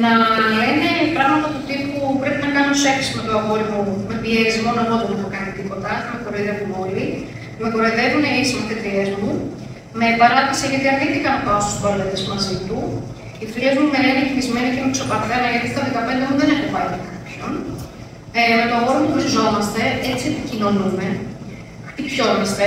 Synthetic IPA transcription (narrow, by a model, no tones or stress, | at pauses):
nɐeinepɾɐɣmɐt̪ɐt̪ut̪ipupɾe̞pinɐkɐnppɾosefisime̞t̪oɐɣo̞ɾivoume̞pie̞ɾizmo̞noeɣoðenexokɐnit̪ipo̞t̪ɐmekoɾiðevomoli | me̞koɾeðe̞vuneisimɐt̪et̪ie̞zmu | me̞ːpɐɾɐp̪isiʝɐt̪iɐdit̪ikɐmɐpɐost̪u̥spɐɾlet̪ezmɐzit̪u | it̪iezmumeɾenicimizme̞nicemekso̞pɐθelɐʝɐt̪i̥t̪ɐðekɐpe̞nd̪emuðene̞xupɐlkɐpço̞n | met̪oɐɣo̞ɾimop̪usizo̞mɐst̪e̞et͡siepicino̞nume̞ | ipço̞nest̪e